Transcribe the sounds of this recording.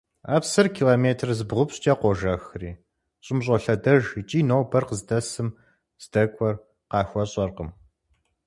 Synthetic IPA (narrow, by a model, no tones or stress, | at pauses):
a̰ːpsɨrkʰiːloːmeːtʰrzɨbʁʷʊpɕtʼaːqʷɔʒɐxriː | ɕʼɪmɕ̬ʼɔɬɐdɐʒt͡ʃʼiːnowbɐrqəzdɐsɨm | z̥dɐkʷʼɔr | qɑːxʷɔɕʼɐrqəm